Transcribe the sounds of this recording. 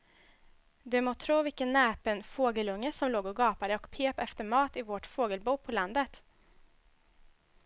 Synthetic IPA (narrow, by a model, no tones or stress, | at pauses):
d̪ɵmoːt̪ʰɾuːvɪkənːɛːpənfoːɡəlɵŋːəsɔmloːɡɔɡɑːpad̪əɔkpʰeːpɛft̪əɾmɑːt̪ɪvoʈfoːɡəlbuːpʰɔland̪ət̪